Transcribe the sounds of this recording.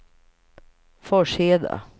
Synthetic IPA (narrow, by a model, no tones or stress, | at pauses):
fɔʂheːd̪a̰